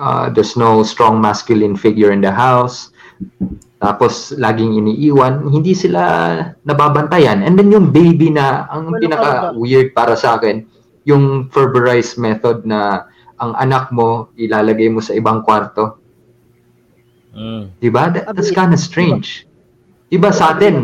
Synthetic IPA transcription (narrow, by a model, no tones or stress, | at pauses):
ʔɐ̰d̪ɛsnowst̪ɹɔŋmaskjʊlɪnfɪɡjʊɹɪ̃nd̪ɐɦaws | t̪a̰ːposlaːɡɪŋɪniːʔiːwɐnhɪnd̪isɪla̰nɐbaːbɐnt̪ɐjanʔɛnd̪ɛnjʊŋbejbinɐɐŋpɪnɐkɐwɪɹd̪̚paːɾɐsɐʔaːkɪn | jʊŋfɛɹbɛɹajsmɛt̪od̪̚nɐ | ʔɐŋʔɐnak̚mo̞ʔɪlaːlɐɡajmosɐʔɪbaŋkwaɾt̪o̞ | d̪̥ɪbad̪ɐt̪̚d̪ɐt̪skãnd̪ɐst̪ɹẽjnd͡ʒ | d̪̥ɪbasɐʔaːt̪ɛn